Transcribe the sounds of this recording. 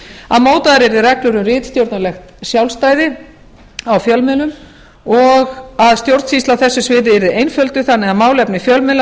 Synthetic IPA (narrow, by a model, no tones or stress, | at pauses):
a̰ðmoːwt̪aðaɾɛɾðɪrɛklʏɾʏmrɪːt̪st̪jowɾt̪nalɛxt̪sjawlst̪aːjðɪ | awfjœlmɪlʏm | ɔɣaðst̪jowɾt̪sfist̪lawθɛsːʏsvɪːðɪɛɾðɪejnfœlt̪ʏθanːɪaðmawlɛpnɪfjœlmɪla